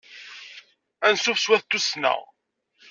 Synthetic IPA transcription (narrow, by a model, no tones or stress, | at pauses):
ænsufswæθt̪ːusnə̰ʁ